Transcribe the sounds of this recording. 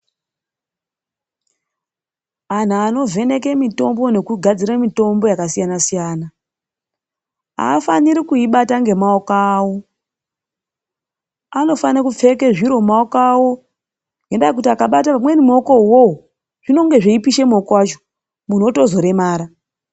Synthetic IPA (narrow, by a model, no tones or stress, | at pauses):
an̤aːno̞ve̞ne̞ke̞mito̞mbo̞ne̞kuɡʱad͡ziɾamito̞mbo̞jakasijanasijaːna | a̰ːfaniɾikuiɓataŋɡe̞maokaːwo̞ | ano̞fanakup͡fe̞ke̞ʐiɾo̞maokawo̞ | jendak̬utiakaɓatamwenimo̞ko̞wo | ʐ̥ino̞ŋɡe̞ʐeipiʃe̞mokwat͡ʃo̥ | mun̤o̞to̞zo̞ɾe̞maːɾa